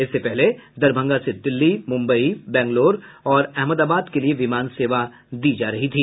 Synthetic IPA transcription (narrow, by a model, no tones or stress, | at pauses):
ɪsːepɛɦled̪ɐɾbʱə̃ŋɡased̪ɪlːimʊ̃mbəibɛ̃ːŋɡloːɾɔːɾɛɦməd̪aːbaːd̪kelieʋɪmaːnseːʋa | d̪iːd͡ʒaːɾɐɦit̪ʰiː